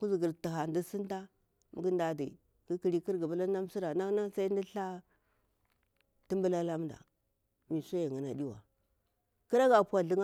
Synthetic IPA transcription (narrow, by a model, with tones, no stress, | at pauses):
ku˦zi˨ɡi˨ɾti˨ɦa˨ndi˦si˦nta˦ | mu˨ɡi˦nda˨dḭ˨ | ki˦ki˨ɾi˦ki˦ɾɡi˨bu˦la˦n˦a˦m˦si˦ɾa˨na˦na˦ŋ˦sa˦i˦n˦di˦ɬa˦ | ti˦mbu˦la˦la˦mnda̰˨ | mi˨sa˦ja˨ŋi˨na˨di˦wa̰˨ | ki˦ɾa˦ɡa˨pʷa˨ɮi˦ŋa˦